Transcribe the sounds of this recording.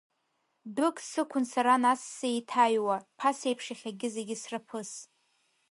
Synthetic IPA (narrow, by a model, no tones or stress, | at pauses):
dʊkʼsɨkʷʰʊnsaɾanasːejtʰajwapʰase̞jpʰʂaχʲaɡʲɪzeɡʲɪsrapʰɨs